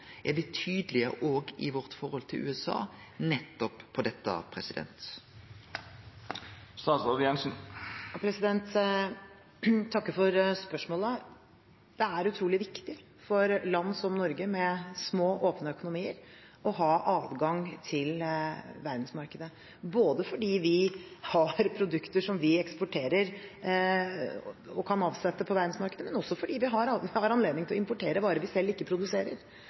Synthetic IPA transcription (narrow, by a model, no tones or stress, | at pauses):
ʔɛʋɪt̪ʰyːd̪əlɪə̰ʔoːɡɪ̰ʋɔʁt̪fɔʁhɔlt̪ʰɪlʔʉ̰ːɛsɑ̰ː | nɛt̪ːɔppʰɔd̪ɛt̪ːə̰pʰʁɛsɪd̪ɛ̰nt̪ | st̪ɑːsoʋɪɛnsn̩ɑpʰɾɛsɪd̪ɛnt̪ | t̪ʰːɑkːəfɔɾspœʂmoːlə | d̪̥ɛæɾʉt̪ʰɾuːlɪʋɪkt̪ɪ | fɔɾlɑnːsɔmnɔɾɡəmɛsmoːʔoːpnəœkʊnʊmiːəɾ | ɔɦɑːʔɑːd̪ɡɑŋt̪ʰɪlʋæɾd̪n̩smɑɾkəd̪ə | boːd̪əfɔɖiːʋɪhɑɾpʰɾʊd̪ʉkt̪əʂɔmʋɪɛkspʊʈʰeːɾəɾ | ɔkʰɑnɑːʋsɛt̪ːəpʰɔʋæɾd̪nsmɑɾkəd̪əmɛnɔsːɔfɔɖiːʋɪɦɑɾhɑɾɑnleːd̪nɪŋt̪ɪlɔɪmpʊʈʰeːɾəbɑːɾəʋɪsɛlːɪkːəpʰɾʊd̪ʉseːɾə̰ɾ